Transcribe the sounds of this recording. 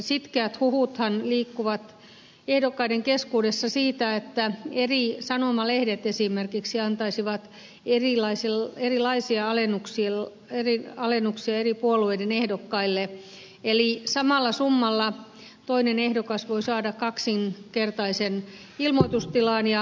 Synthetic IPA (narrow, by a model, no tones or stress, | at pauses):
sit̪keæt̪huhut̪hɑnliːkːuʋɑt̪ | ehdokːɑideŋkeskuːdesːɑsiːt̪æet̪ːæerisɑnomɑlehdet̪esimerkiksiɑnt̪ɑisiʋɑt̪ | erilɑisilerilɑisiɑɑlenːuksiel | eriɑlenːuksiɑeripuolueidenehdokːɑilːe | elisɑmɑlːɑsumːɑlːɑ | t̪oinenehdokɑsʋoisɑːdɑkkɑksinkert̪ɑisen | ilmoit̪ust̪ilɑːˑnjɑ